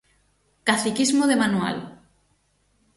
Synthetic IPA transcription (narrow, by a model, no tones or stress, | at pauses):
kaθikizmoðemanua̰l